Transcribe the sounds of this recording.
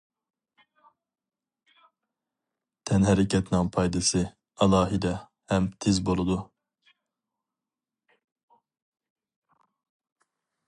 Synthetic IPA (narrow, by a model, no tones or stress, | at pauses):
t̪ʰɛnɦɛɾɛkʰʲɛt̪nɨŋpʰɑjd̪ɨsɨ | ɑlˠɑːɦid̪ɛ | hɛmt̪ʰɪzbolˠud̪u